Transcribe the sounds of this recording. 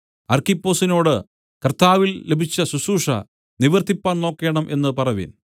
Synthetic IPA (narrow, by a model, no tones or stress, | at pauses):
ɐrkipːo̞ːsino̞ːɽɨ | kɐrt̪aːʋilːe̞bʱit͡ɕːɐsusuːʂɐ̰ | niʋɐrt̪ipːaːɳno̞ːkːe̞ːɳɐmʔe̞nːɨpɐrɐʋḭn